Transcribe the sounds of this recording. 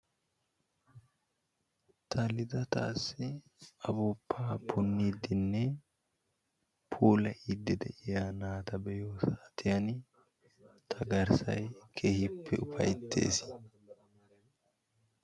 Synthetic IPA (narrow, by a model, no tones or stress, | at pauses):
t̪ʰɐlɪd̪ɐt̪a̰ːsːɪ | ɐbuːpːaːpʰʊnːiːd̪ɪnːɛ | pʰuːlɐʔid̪ːɪd̪ɛ̰ʔɪjaːnaːt̪ɐbɛjoːsaːt̪ʰɪjɐn | t̪ʰɐɡɐɾsɐ̰jkʰeːhɪpʰːɛʊpʰɐ̰jt̪ʰːe̞̰ːs